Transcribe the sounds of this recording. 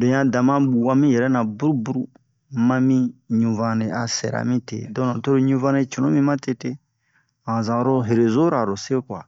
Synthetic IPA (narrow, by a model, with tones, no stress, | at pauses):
dẽ˨jã˦˨dã˨mã˦bu˨wã˦mĩ˦jɛ˨ɾɛ˦nã˨bu˦ɾu˦bu˦ɾu˦ | mã˦mĩ˦ɲũ˨vã˦˨ne˨a˨sɛ̰˨ɾa̰˨mĩ˦tḛ˨dɔ̃˦nã˨to˦ɾo˦ɲũ˦vã˦ne˦t͡ʃɔ˨nõ˦mĩ˦mã˦te˦te˦ | ã˨zã˨ɾo˦ɦe˨ɾe˨zo˦ɾa˨ɾo˨se˦kwa̰˨